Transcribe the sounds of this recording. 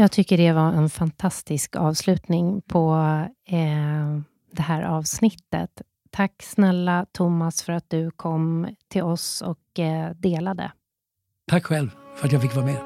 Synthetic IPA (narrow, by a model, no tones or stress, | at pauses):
jɑːɡt̪ʰʏkːəɖɛvaʔɛnfant̪ʰast̪ɪskɑ̰ːvslʉ̟ːt̪nɪŋpʰɔ | d̪ɛhæːɾʔɑːvsnɪt̪ːə̰t̪ʰː | akːsnɛlːat̪ʰʊmːasfœɾat̪̚d̪̥ɵkʰɔmːt̪ʰɪlɔsɔkd̪eːlad̪ə̰ | t̪ʰakːɧɛlvfœɾat̪̬jaɡfɪkːvɑːɾamɛ